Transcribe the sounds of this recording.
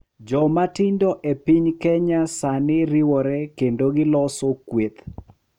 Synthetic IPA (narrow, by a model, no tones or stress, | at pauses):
d͡ʒɔmatɪndɔʔepiɲkɛɲasanɪɾiwɔɾɛkendoɡɪlɔsokwet̪